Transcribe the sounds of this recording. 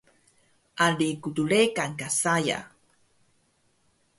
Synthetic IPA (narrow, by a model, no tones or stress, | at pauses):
ʔalikutuɭekaŋkasaja̰